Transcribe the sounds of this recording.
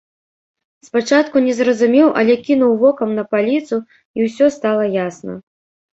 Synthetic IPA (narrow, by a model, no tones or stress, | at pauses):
spat͡ʂat̪kunʲɛzɾɐzumʲɛwʔɐ̰lʲɛkʲinuwvɔkɐmnɐpalʲit̪su | iwsʲɔst̪alˠɐjasnɐ̰